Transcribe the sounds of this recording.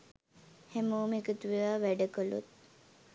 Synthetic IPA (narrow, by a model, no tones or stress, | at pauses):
hæmoːmekət̪uʋijaʋæɖəkəlṵt̪̚